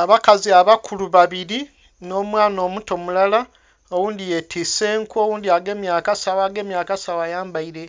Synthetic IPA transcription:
aβakaziaβakʰuluβaβiɾi | no̞ːmwaːno̞ːmuto̞mulala | owuːndije̞tʰise̞ːŋkuowuːndiaɡe̞ːmjaːkasawaːɡe̞ːmjaːkasawajaːmbaiɾe̞

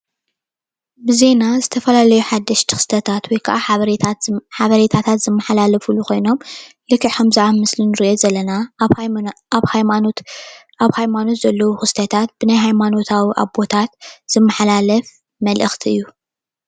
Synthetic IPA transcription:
bɨze̞nazɨt̪ʰɐfɐlalɐjuħad̪ːɐʃt̪ʰɨ̥xst̪ʰɐt̪ʰat̪wɔjkʰʔaɾħaβɐɾet̪ʰat̪ʰat̪z̥ɨmːɐħalalɐfuluko̞jno̞mlɨkːɨʕħɐmzɨʕamɨslinɨɾiʔozɐlːɐna | βha | aβhajmano̞t̪zɐlːɐwuxɨst̪ʰɐt̪ʰat̪̚b̥ɨnajɦajmano̞t̪ʰawiʔa̰βbot̪ʰat̪z̥ɨmːɐħalalɐf | mɐlʔɨxt̪ʰiɨjːu

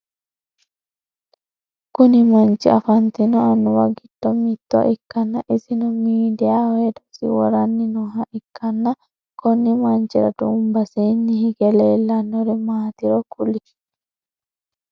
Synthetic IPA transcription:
kʊnɪmɐnt͡ʃɪ̰ɐfɐnt̪inɔɐnːɔwɐɡɪd̪ːɔmit̪ːɔ̰ʔɪkːɐnːɐʔɪsɪnɔmiːd̪ɛjawed̪ɔsḭwɔɾɐnːɪnɔɦɐʔɪkːɐnːɐ | kɔnːɪmɐnt͡ʃɛɾɐ̰d̪ṵːmbɐseːnːɪhɪɡɛleːlːɐnːɔɾɛmaːt̪ɪɾɔkʊlɪ

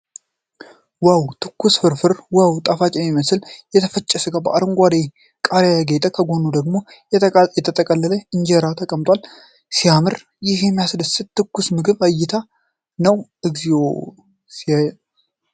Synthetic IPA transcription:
wawt̪ʰɨkːusfɨɾfɨɾwawt̪ʼafat͡ʃʼjɛmːiməsɨljɛt̪ʰəfət͡ʃʼːɛsɨɡabəʔaɾɨŋɡʷad̪e | kʼaɾejaɡet̪ʼəkʰəɡo̞nud̪əɡmo̞ | jjɛt̪ʰət̪ʼəkʼəlːələɨnd͡ʒeɾat̪ʰəkʼəmt̪ʼwal | sijamɨɾ | jɪhjɛmːijasdəsɨt̪̚t̪ʰːɨkːusmɨɡɨβajːɪt̪ʰa | nəwʔɨɡzio | sia

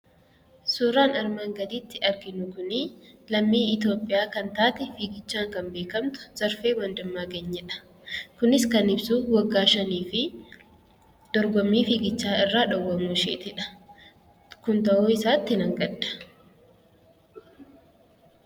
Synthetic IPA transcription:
suːɾaːnɐɾmaːŋɡɐd̪iːt̪ːɪɐɾɡɪnʊkʊnɪlɐmːiːɪt̪o̞ːpʼːɪjaːkɐnt̪aːt̪ɛfiːɡɪt͡ʃːaːŋkɐmbeːkɐmt̪ʊ̥z̥ɐɾfeːwɐnd̪ɐmːaːɡeɲːɛᶑɐ̥ | kʊnɪskɐnɪbsuwɐɡːaːʃɐniːfɪ | d̪̥ɔɾɡɔmːiːfiːɡɪt͡ʃːaːɪrːaːᶑɐwːɐmuːʃeːt̪ɪᶑɐ̥ | kʊnt̪ɐʔoːɪsaːt̪ːɪnɐŋɡɐdɐ̥

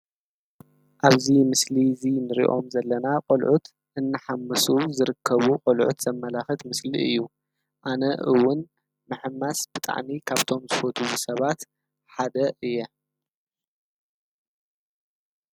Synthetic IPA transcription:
ʔaβzimɨslizinɨɾḭʔo̞̰mzɐlːɐnaqʼolʕut̪ | ʔɨnːɨħamːɨsuzɨɾɨkʰːɐβuqʼolʕṵt̪z̥ɐmːɐlaxɨt̪mɨsliɨjːu | ʔanɐʔɨwːʊn | mɨħɨmːasb̥ɨt̪ʼa̰ʕmikʰaβt̪ʰo̞mzɨfot̪ʰuwusɐβat̪ | ħad̪ɐʔɨjːɛ

